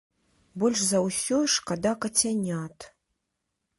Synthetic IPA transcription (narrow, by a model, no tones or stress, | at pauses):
bolʲʂzawsʲoʂkad̪akatʲʰanʲatʰʼ